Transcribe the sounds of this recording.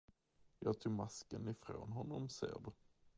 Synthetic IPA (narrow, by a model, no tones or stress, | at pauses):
jɑːɡ̚t̪ʰuːmaskənɪfɾo̰ːnɦɔnːɔmsḛːɖɵ